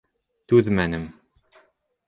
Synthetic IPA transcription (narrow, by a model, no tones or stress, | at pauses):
t̪ʉðmænɘm